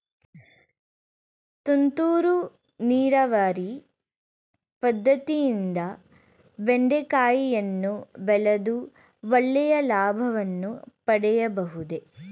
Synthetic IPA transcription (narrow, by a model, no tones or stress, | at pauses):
t̪unt̪uːɾu | niːɾɐʋaːɾi | pɐd̪ʱːɐt̪ijind̪ɐ | beɳɖekaːjijɐnːubɛlɐd̪u | ʋɐɭːɛjɐlaːbʱɐʋɐnːupɐɽɛjɐbɐɦud̪e̞